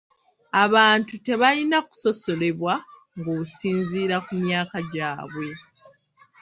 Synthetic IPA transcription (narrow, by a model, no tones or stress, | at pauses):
aβaːntute̞βalinaku̥so̞so̞le̞βwa | ŋɡoːusiːnziːɾakumjaːkaɟaːβwe̞